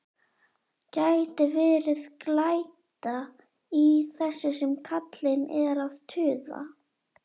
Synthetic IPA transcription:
cajt̪ɪvɛːɾɪðklaːjt̪a | iθɛsːʏsɛmkʰat̪lɪnɛ̰ðɪɾavt̪ʰʏːða̰

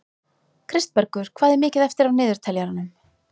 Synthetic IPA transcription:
kʰɾɪst̪̚pɛɾkʏɾ̥kʰvaːðɛɾmɪːcɪðɛft̪ɪɾavnɪːðʏɾ̥t̪ʰɛljaɾanʏm

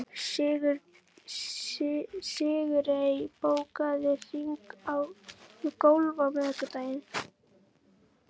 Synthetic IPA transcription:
ɣ | sɪːɣʏɾejpoːwkaðɪr̥iŋkawkowlvamɛkʏt̪aːjɪn

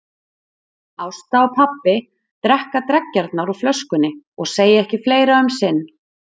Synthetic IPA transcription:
awst̪awpʰapːɪ | t̪ɾɛhkat̪ɾɛcːaɾt̪naɾuflœskʏnɪɔɣseːjɪɛhcɪfleːjɾaœmsɪnː

